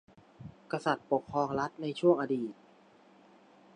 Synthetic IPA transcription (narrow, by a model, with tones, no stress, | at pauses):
ka˧sa˨˩t̪̚po˨˩kʰːɾɔː˧ŋɾa˦˥t̪̚na˧jt͡ɕʰu˥˩əŋʔa˧diː˨˩t̪̚